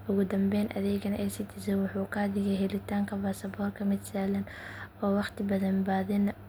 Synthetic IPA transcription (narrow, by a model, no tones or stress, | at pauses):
ʔʊɣʊd̪ɐmbɛːnʔɐ̰ðɛːɡɐnʔɛjsit̪ʰɪsɛwʊħuːqʰaːðɪɣɐɦɛlɪt̪ʰaːŋkʰɐbaːsɐbɔːrkʰɐmɪd̪saːlɐn | ɔːwɑqt̪ʰɪbɐðɐmbaːðɛn